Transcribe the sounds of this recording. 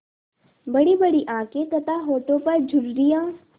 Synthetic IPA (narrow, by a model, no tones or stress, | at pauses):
bɐɽibɐɽiʔãːkẽt̪ɐt̪aɦoːʈõpɐɾd͡ʒʱʊɽɾijãː